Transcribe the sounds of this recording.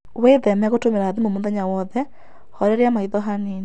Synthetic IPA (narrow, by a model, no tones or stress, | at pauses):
weðɛmɛaɣotomeɾaːðimomoðaɲawɔðɛ | hɔɾɛɾeamaiðɔɦanin